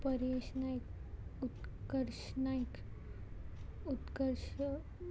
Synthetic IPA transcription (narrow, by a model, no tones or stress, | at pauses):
pəɾeɕnajkut̪kəɾʃnajk | ut̪kəɾɕ